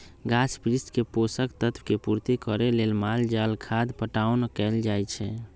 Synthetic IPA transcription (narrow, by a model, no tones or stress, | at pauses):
ɡaspɾisʈkeposəkt̪ət̪ʰwkepuɾt̪ikəɾelelmald͡ʒalkʰad̪pəʈaʊnkɛld͡ʒajt͡ʃʰɛ